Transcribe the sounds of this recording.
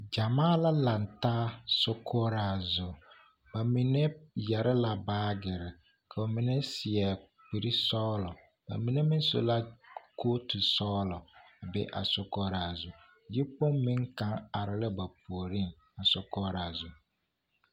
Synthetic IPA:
d͡ʒa˨maː˦la˦la˨ntaː˦sʊ˦kʰɔ˦ɾa˨zʊ˨ | ba˨mi˨nɛ˦jɛ˨ɾɪ˦la˨baː˦ɡɪ˨ɾɪ˨ | kʰa˨ɔ˨mɪ˨nɛ˦sɪ˨ɛ˨ | k͡pi˨ɾi˦sɔː˦lɔ˨ | ba̰˨mi˨ne˦mɪ˦n˦so̰˦la˦kʰo˦tu˨sɔː˦lɔ˨a˨bɪ̰˦ʔa̰˨sʊ˦kɔː˦ɾaː˨zʊ˨ | jɪ˦po˦mmːɪ̃˦ŋkã˦ŋa˨ɾɪ˨lɪ˦ba˨pu˨o˨ɾi˦ŋ | a˨sʊ˦kɔː˦ɾa˨zʊ˨

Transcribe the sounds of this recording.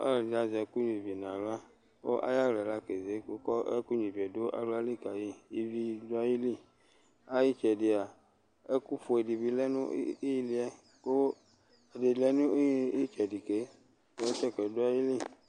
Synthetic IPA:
a̰˦˨da˨zɛ˨ku˦ɲĩ˨vn˨ã˨lo˦a˦ | wo̰˦ʔa̰˦ja˦lɛ˨la˦ke˨ze˨˦ko˦kɔ˦ḛ˦ku˦ɲĩ˨vɛ˨do˦ʔa̰˨lo˦a˦li˦ka˨ji˦i˦vi˦do˦a˦ji˦li˦ | a˦ji˦t͡ʃɛ˨di˨a˨ | e˦ku˦fo˨e˨di˨bi˦lɛ˦nṵ̃˦i˦ji˦li˦ɛ˦ | ko˦ | e˨de˨lɛ˦nũ˦i˦t͡ʃɛ˨di˨ke˦˨˦ | e˦t͡ʃɛ˦kɛ˨do˦a˦ji˦li˦˨

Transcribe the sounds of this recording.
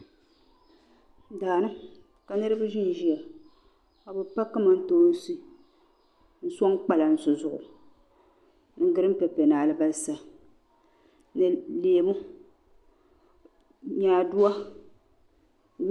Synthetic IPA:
daː˨nɨ˦ | ka˨nɨ˦ɾɨ˦bɨ˦ʒɪ˦n˨ʒi˨a˨ | a˨bɨ˨pa˦kːɨ˦ma˦n̩˦toː˦n˦sɨ˦ | n̩˦sɔ˦ŋk͡pa˨la˨n̩˨sʊ˨zʊ˨ʔʊ̰˨ | n˦˨˦ɡɨ˦ɾɨ˦m˦pɛ˨pɛ˨naː˨lɨ˦ba˦lsa˨ | nɨ˨leː˨mu˦ | ɲaː˦˨du˦a˦˨

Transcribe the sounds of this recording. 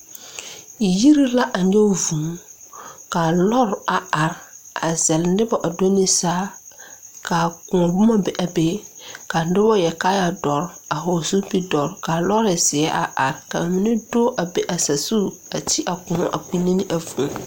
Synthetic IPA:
i˨ji˦ɾi˦la˦ʔa˨ɲɛ˦vũ˨˦ka˨lɔ˦ɾa˨a˨ɾa˨zɛ˨ldɪ˦bɔ˦ʔa˨do˦nɪ˦saː˦ | ka˨kʊ̃˨ɔ˨bʊ˦ma˦bɛ˨ʔa˨be˦ka˨˦ɪ˦bɔ˦jɛ˨ka˦ja˨dɔ˨ɾa˨ɦo˨su˦pi˦dɔ˨ɾka˨lɔ˦ɾɪ˨sɪ˨ɛ˦ʔa̰˨ʔa˨ɾka˨mɪ˨nɪ˦do˦ʔa˨be˨ʔa˨sa˨su˦ | a˨tʰi˦ʔa˨kʊ̃˨ɔ˦˨ʔa˨k͡pi˦ne˦nɪ˦ʔa˨fũ˨

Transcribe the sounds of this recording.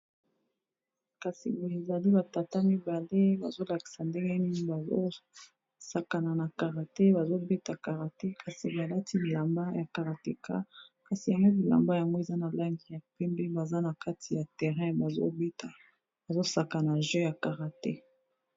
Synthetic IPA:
ka˨si˨bo˨e˨za˨li˦ba˨ta˨ta˦mi˦ba˨le˦ba˨zo˦la˨ki̥˨sa˨nde˦ŋɡɛ˦ni˦ni˦ba˨o˦ | sa˨ka˨na˨na˨ka˨ʁa˨te˦ba˨zo˦be˦ta˨ka˨ʁa˨te˦kʰa˨si˨ba˨la˦tʰi˦li˨la˨mba˦ja˨ka˨ʁa˨te˨ka̰˦ka˨si˨ja˨ŋɡo˦li˨la̰˨mba˦ja˨ŋɡo˦e˨za˦na˨la˦ŋɡi˨ja˨pɛ˦mbe˦ba˨za˦na˨ka˦tʰi˨ja˨tɛ˨ʁɛ̃˦ba˨zo̰˦be˦ta˨ | ba˨zo˦sa˨ka˨na˨ʒɛ˦ja˨ka˨ʁa˨tɛ˦

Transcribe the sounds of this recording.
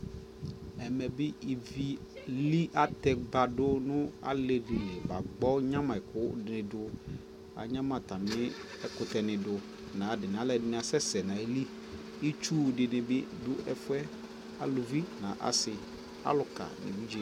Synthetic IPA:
ɛ˨mɛ˨bɪ˦i˨vi˨˦li˦ʔa˦t̪ɛ˨ba˨dʊ˦nʊ̃˦a̰˦le˨dɪ˨lɪ˨ba˨ɡ͡bɔ˦ɲã˦mã˨ɛ˨kʰʊ˦dɪ˨nɪ̃˨dʊ˨ | a̰˨ɲã˦mã˨t̪a˨mɪ̃˦ | ɛ˦kʊ˨t̪ɛ˨nɪ̃˨dʊ˨ | nã˨dɪ˨nɪ̃˨a˨˦lɛ˨dɪ˦nɪ̃˨˦a˨sɛ˦sɛ˨nã˨e˦li˦ | i˦t͡ʃu˦˨dɪ˨nɪ̃˨bɪ˦dʊ˦ɛ˨fʊ˦ɛ˦ | a˨lʊ˨vi˦nã̰˨ʔa̰˨sɪ˨ | a̰˦lʊ˨ka̰˨nɪ̰˨vi˦d͡ʒi˦

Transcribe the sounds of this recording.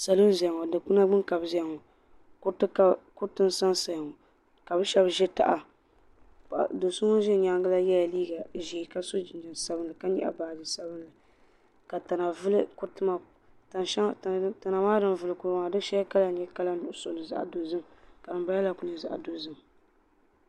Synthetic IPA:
sa˨lɨ˦n˦zɛ˨ŋo˨dɨ˨k͡pu˦na˦ɡ͡bɨ˦ŋka˨bzɛ˨ŋɔ˨˦ | tka˦kʊ˦tɨ˦n˦sa˦nsa˨jŋɔ˨ | ka˨bɨ˦ʃɛ˦bʒɛ˦ta̰˨ʔa˨ | do˨sʊ˦ŋo˦ʒɛ˦ɲa˦ŋɡɨ˦la˦jɛ˦ja˨liː˦ɡa˨ʒiː˨ka˦so˦d͡ʒɪ˨nd͡ʒɛ˨n˨sa˦bɨ˦nlɨ˨ka˦ɲɛ̰˦ʔa̰˨baː˨d͡ʒɪ˨sa˦bɨ˦nlɨ˨ | ka˨ta˨na˨vɨ˦lɨ˦kʊ˦tɨ˦ma˨ | ta˦˨˦ta˨na˨maː˦dɨ˨nvɨ˨lɨ˨kʊ˦ɾma˨dɨ˦ʃɛ˦a˦ka˦la˨ɲɛ˦ka˦la˦nʊ˨ʔʊ˦so˨nɨ˨za̰˦˨ʔa̰˨do˨zɨ˦mka˨dɨ˨mba˦a˦la˨kʊ˨ɲɛ˨za̰˨ʔa̰˨do˨zɨ˦m

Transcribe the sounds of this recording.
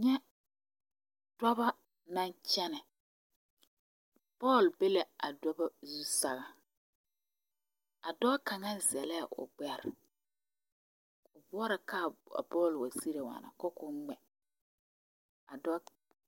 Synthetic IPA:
ɲɛ˦ | dɔ˦ba˦ | nã˦nt͡ʃɛ˦nɛ˨ | pɔː˦˨lbe˦le˨a̰˨dɔ˦ba˦zu˦sa˨ɣa˦ | a˨dɔ˦ka˨ŋa˦zɛ˨lɛ˦a˨ʔʊ̰˨ɡ͡bɛ˨ɾ | ʊ˨bʊ˦ɔ˦ɾa˨ka˦˨a̰˨bɔː˦˨lwa˨si˦ɾe˨wa̰˨na̰˨kɔ˦kʊ˦ŋ͡mɛ˨ | a˨dɔ˦

